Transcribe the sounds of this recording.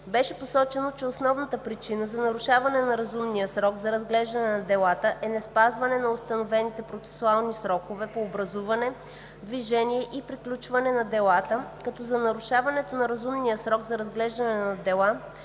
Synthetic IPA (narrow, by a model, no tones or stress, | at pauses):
bɛʃɛposɔt͡ʃɛnot͡ʃɛosnɔvnət̪əpɾit͡ʃinəzɐnɐɾuʃavɐnɛnɐɾɐzumnijəsɾɔɡzɐɾɐzɡlɛʒd̪ɐnɛnɐd̪ɛlˠat̪əʔɛnɛspazvɐnɛnɐost̪ɐnovɛnit̪ɛpɾot̪sɛ̥sualˠnisɾɔkovɛpoːbɾɐzuvɐnɛ | d̪viʒɛniɛʔipɾiklʲut͡ʃvɐnɛnɐd̪ɛlˠat̪əkɐt̪ɔzɐnɐɾuʃavɐnɛt̪onɐɾɐzumnijəsɾɔɡzɐɾɐzɡlɛʒd̪ɐnɛnɐd̪ɛlˠa